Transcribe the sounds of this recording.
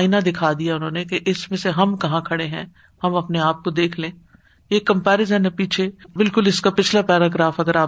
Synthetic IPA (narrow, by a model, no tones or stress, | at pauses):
ɪnad̪ɪkʰaːd̪ijaʊnɦõːnekeʔɪsmẽseɦɐmkɐɦãkʰɐɽeɦɛ̃ | hɐmɐpneaːp̚kod̪eːkʰlẽː | eːkːɐ̃mpɛːɾɪzənɐpiːt͡ʃʰebɪlkʊlɪskapɪt͡ʃʰlapɛːɾaːɡɾaːfɐɡəɾaː